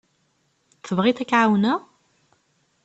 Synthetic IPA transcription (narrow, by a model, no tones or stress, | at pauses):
θəvʁiθækːʕawnæ